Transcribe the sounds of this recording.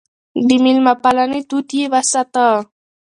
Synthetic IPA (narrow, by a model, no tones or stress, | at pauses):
dimilmapalanit̪ut̪jeβasat̪a